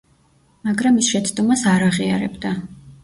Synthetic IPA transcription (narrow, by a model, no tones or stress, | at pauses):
maɡɾamisʃɛt̪sʰʼd̪ɔmasaɾaʁia̰ɾɛ̰bd̪a